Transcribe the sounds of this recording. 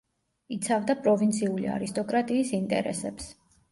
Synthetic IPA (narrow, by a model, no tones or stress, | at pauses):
it̪sʰavd̪apʼɾɔvint̪sʰiulḭa̰ɾist̪ʼɔkʼɾat̪ʼiːsint̪ʼɛ̰ɾɛ̰sɛps